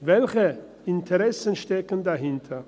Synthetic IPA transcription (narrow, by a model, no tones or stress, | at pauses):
vɛlçə | ɪntʰəʁɛsən̩ʃtɛkən̩daɦɪntʰɐ